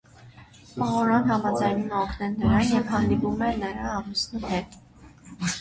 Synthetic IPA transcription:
pɑɔɾɔnɦɑmɑd͡zɑjnumɛɔkʰnɛnəɾɑnjɛvhɑnd̪ipumɛnəɾɑːmusnihɛt̪

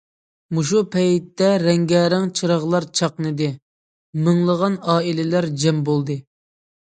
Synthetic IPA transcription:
muʃupʰɛjt̪ːɛɾɛŋɡʲɛːɾæŋt͡ʃʰɨɾɑʁlˠɑɾt͡ʃʰɑqnɨd̪ɨ | mɪŋlˠəʁɑnɑːilɪlæɾd͡ʒɛmbolˠd̪ɨ

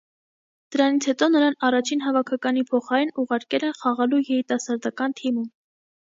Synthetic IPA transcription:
d̪̥əɾɑnit͡sʰhɛt̪ɔnəɾɑnɑrɑt͡ʃʰinɦɑvɑkʰɑkɑnipʰɔχɑɾinuʁɑɾkɛlɛnχɑʁɑlujɛɾit̪ɑsɑɾd̪ɑkɑnt̪ʰimum

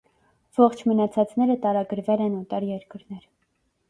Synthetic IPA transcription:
v̥ɔχt͡ʃʰmənɑt͡sʰɑt͡snɛɾət̪ɑɾɑɡəɾvɛlɛnɔt̪ɑɾjɛɾkəɾnɛɾ

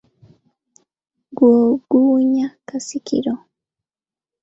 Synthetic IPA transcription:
ɡwoːɡuːɲakasikʰḭɾo

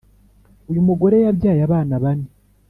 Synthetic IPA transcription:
ujumuɡo̞ɾe̞jaβjaːjaβaːnaβane

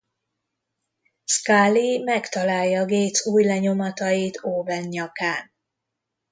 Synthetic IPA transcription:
skaːlimɛkt̪ɒlaːjːɒːɡeːt̪suːjlɛɲo̞mɒt̪ɒjit̪ʰoːvɛnɲɒkaːn

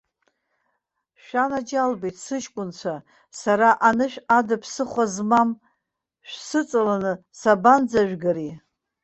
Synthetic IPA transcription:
ʃᶣanad͡ʒalbejtʰʼsɨʃkʷʼʊnt͡ʃʷʰa | saɾaʔanɨʃᶣadɨpʰsɨχʷazmam | ʃᶣsɨt͡sʼalanɨ | saband͡zaʒᶣɡaɾi

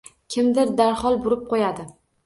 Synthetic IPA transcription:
kʲʰɪmd̪ɪɾd̪aɾhɒlˠbʊɾɪp̚qʰojad̪ɪ

